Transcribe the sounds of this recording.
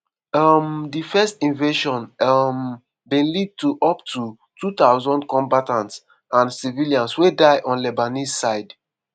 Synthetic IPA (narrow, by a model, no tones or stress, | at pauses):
amdifɛstĩnveʃɔ̃nm | bĩnlid̚tuʔɔptʰu | tʰut̪aʊzɔ̃ndkɔ̃mbatãns | ãnsiviliãnswedaɪʔɔ̃nlɛbanizsaɪd